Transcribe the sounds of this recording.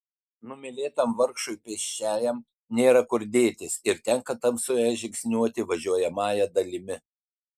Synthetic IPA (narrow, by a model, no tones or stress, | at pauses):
nʊmʲɪlʲeːt̪ɐmʋɐɾkʃʊɪpʲɛʃʲt͡ʃʲæːjɛm | nʲeːɾɐkʊɾd̪ʲeːt̪ʲɪsɪɾt̪ʲɛŋkɐt̪ɐmsʊjɛʒʲɪksʲnʲuɔt̪ʲɪʋɐʒʲuɔjɛmɑːjɛd̪ɐlʲɪmʲɪ